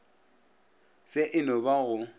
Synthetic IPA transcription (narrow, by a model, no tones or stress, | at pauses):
sɪʔɪnɔbaɣʊ